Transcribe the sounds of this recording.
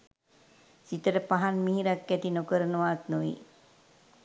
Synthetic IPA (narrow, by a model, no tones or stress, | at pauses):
sit̪əɾəpaɦanmiɦiɾakːɛt̪inokəɾənəʋaːt̪nuʋḭ